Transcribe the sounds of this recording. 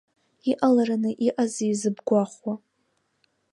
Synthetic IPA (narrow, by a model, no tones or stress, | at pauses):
iʔalaɾanɨʔiʔazijzɨbɡʷaχwa